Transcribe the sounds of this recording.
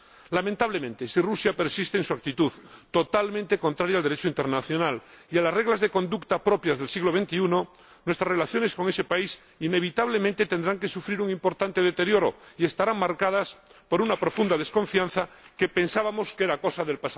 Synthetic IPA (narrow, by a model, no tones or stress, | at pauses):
lamẽnt̪aβlemẽnt̪e̞sirusjape̞ɾsist̪eːnsuak̚t̪it̪uðt̪o̞t̪almẽnt̪e̞ko̞nt̪ɾaɾjald̪e̞ɾet͡ʃoint̪e̞ɾnaθjo̞nalialasre̞ɣlazðekõ̞nd̪ukt̪apɾo̞pjazðe̞lsiɣlo̞βe̞nt̪iuno | nwe̞st̪ɾasrelaθjo̞nesko̞ŋe̞se̞pais | ine̞β̞it̪aβlemẽnt̪et̪e̞nd̪ɾaŋke̞sufɾiɾuŋĩmpo̞ɾt̪ant̪e̞ðet̪e̞ɾjo̞ɾo̞̰ie̞st̪aɾaŋmaɾkaðaspo̞ɾunapɾo̞fund̪aðe̞sko̞ɱfian̟θa | ke̞pe̞nsaβamo̞skeeɾako̞saðe̞lpasa